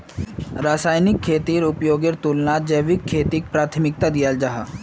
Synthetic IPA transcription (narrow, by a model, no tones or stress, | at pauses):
ɾaːsaːjnɪkʰːeːt̪iːɾʊpjoːɡɪɾt̪ulnaːd͡ʒəʋɪkʰːeːt̪ik̚pɾaːt̪ʰmɪk̚t̪ad̪ijald͡ʒaɦa